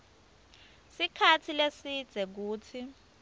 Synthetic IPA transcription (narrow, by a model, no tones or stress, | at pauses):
sikʰatʰilesid̥z̥ʱɛk̬uːt͡sʰi